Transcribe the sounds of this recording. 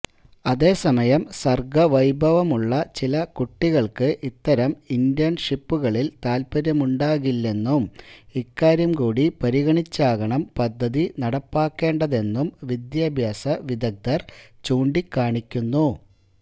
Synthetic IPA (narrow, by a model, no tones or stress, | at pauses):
ɐðe̞ːsɐmɐjɐmsɐrɡɐʋɐjbʱɐʋɐmuɭːɐt͡ɕilɐkuʈːiɣɐɭkɨʔit̪ːɐɾɐmind̪jɐnʂipːuɣɐɭilt̪aːlpɐɾjɐmuɳɖaːɣilːe̞nːumikːaːɾjɐmkuːɽipɐɾiɣɐɳit͡ɕːaːɣɐɳɐmpɐd̪ʱːɐðinɐɽɐpːaːkːe̞ːɳɖɐðe̞nːumʋid̪jaːbʱjaːsɐʋid̪ɐɡ̚d̪ɐrt͡ɕuːɳɖikːaːɳikʲːunːu